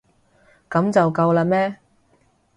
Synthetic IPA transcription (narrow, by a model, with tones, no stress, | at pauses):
kɐ˨˥mt͡sɐ˨wkɐ˧wlaː˧mɛː˥